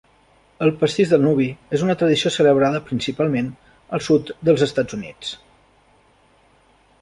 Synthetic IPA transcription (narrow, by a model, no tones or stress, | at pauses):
əlˠpəst̪iʒðəlˠnuβ̞iezunət̪ɾəð̞isiosələβ̞ɾaðəpɾinsipalˠmen | əlˠsut̪d̪əlˠzəst̪ad͡zunḭt͡s